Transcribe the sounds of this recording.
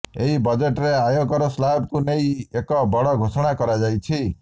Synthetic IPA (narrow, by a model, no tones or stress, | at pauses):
eɦibɔd͡ʒeʈɾeajoɡɔɾɔslabkunejekɔbɔɽɔɡʱosɔɽ̃akɔɾad͡ʒajt͡ʃʰi